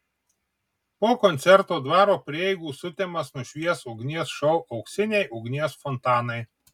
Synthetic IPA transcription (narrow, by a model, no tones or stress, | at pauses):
poːkɔnʲt̪sʲɛɾt̪oːd̪ʋɑːɾoːpʲɾʲɪɛɪɡuːsʊt̪ʲɛmɐsnʊʃʲʋʲiɛsʊʊɡnʲiɛsʃɔʊʔɐʊksʲɪnʲɛɪʔʊɡnʲiɛsfɔnt̪ɑːnɐɪ